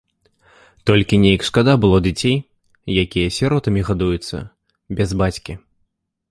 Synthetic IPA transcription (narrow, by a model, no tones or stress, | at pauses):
t̪ɔlʲkʲinʲejɐkʂkad̪abɨlˠɔd͡zʲat͡sʲej | jakʲijɐsʲaɾɔt̪ɐmʲiɣad̪ujut̪sːɐ̰ | bʲɛzbat͡sʲkʲi